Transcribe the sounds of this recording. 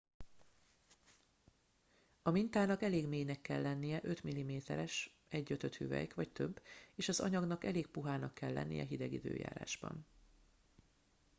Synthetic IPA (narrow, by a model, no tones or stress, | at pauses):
ɒmint̪aːnɒkɛleːɡmeːjnɛkːɛlːɛnːijɛʔø̞t̪milːimeːt̪ɛɾɛʃ | ɛɟːøt̪øt̪hyvɛ̰jkʋɒct̪ø̞bːeːʃɒzɒ̰ɲɒɡnɒkɛleːk̚puɦaːnɒkʰːɛlːɛ̰nːḭjɛ̰ɦid̪ɛɡid̪ø̰ːja̰ːɾa̰ːʒbɒ̰n